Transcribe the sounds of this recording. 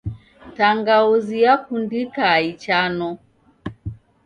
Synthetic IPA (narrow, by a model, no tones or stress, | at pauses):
taŋɡauzijakundikait͡ʃanɔ